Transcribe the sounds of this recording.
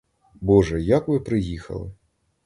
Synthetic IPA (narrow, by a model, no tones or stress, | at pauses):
bɔʐɐjakvɨpɾɨjixɐ̰lˠɨ